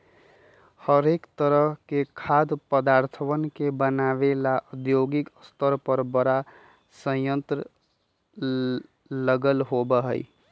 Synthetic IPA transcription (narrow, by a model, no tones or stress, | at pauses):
həɾekt̪əɾəɦkekʰad̪pəd̪aɾt̪ʰəwənkebənaʋelaʔud̪joɡɪkəst̪ʰəɾpəɾbəɾa | sə̃jə̃nt̪ɾə | ləɡəlɦobəɦə̰i